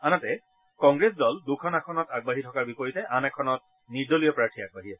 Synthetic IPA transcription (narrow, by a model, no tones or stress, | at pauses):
anatɛ | kɔ̃ŋɡɹesdɔldukʰɔnakʰɔnɔtaɡ̚baɦitʰɔkaɹbipɔɹitɛʔanɛkʰɔnɔt̚ | niɹdolijɔpɹaɹtʰiaɡ̚baɦiɛsɛ